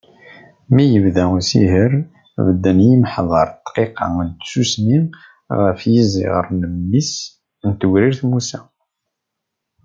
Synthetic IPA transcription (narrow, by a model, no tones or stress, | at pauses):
mijəvðæusḭɦəɾ | vəd̪ːənjimħðˤɑɾˤt̪ːqiqɑ̰ənt̪susni | ʁəfjizḭʁə̰ɾnəmːis | nt̪əɡɾiɾθmusæ